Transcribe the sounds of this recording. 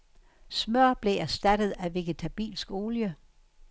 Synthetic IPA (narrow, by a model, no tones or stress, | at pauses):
smœɐ̰b̥le̝æɐsd̥æd̥əð̩ˠæʋe̝ɡ̥ət͡sʰæb̥ḭːlsɡ̥o̝ːljə